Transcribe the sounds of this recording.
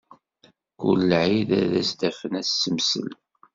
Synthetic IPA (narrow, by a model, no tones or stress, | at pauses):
kṵllʕiðæðæ̰sd̪æfənæsːəmsə̰l